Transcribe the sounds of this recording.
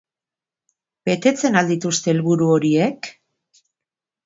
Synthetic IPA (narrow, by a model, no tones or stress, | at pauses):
be̞t̪e̞t͡se̞nald̪it̪ust̪e̞ːlβuɾuo̞ɾie̞k